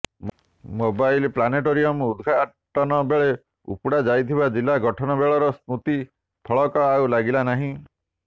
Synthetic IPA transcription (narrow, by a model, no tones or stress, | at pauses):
mobajlplaneʈoɾiɔmud̪ʱɡʱa | ʈɔnɔbeɭe | ṵpuɽad͡ʒajt̪ʰibad͡ʒilːaɡɔʈʰɔnɔbeɭɔɾɔsnut̪i | pʰɔɭɔkɔawlaɡilanaɦĩ